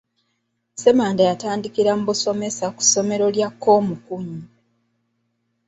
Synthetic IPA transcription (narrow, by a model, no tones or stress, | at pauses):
se̞maːndajataːndikiɾambuso̞me̞saku̥so̞me̞ɾo̞ljakːo̞ːmukuɲi